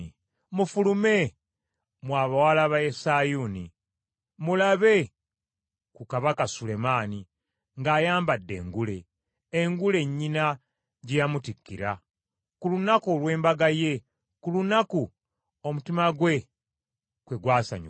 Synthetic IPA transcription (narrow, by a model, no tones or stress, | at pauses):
mufulume̞ | mwaːβawalaβaesajuni | mulaβe̞ | kukaβakasule̞maːni | ŋɡaːjaːmbadːe̞̰ːŋɡule̞ː | ŋɡule̞ɲːina | ɟejamutikːḭɾa̰ | kulunakolwe̞ːmbaɡaje̞ | kulunaku | omutimaɡwe̞ | kweɡwaːsa̰ɲ̰